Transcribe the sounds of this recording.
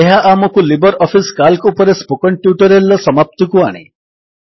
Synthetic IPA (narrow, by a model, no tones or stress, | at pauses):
eɦaʔaməkulibəɾɔfiskalkupəɾespokəɳʈjuʈəɾelːəsəmap̚t̪ikuaɽ̃ḛ